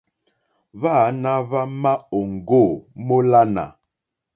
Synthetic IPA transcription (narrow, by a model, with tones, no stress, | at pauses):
βa˦˨˦na˦βa˦ma˦o˨ŋ̩˨ɡo˦˨mo˦la˦na̰˨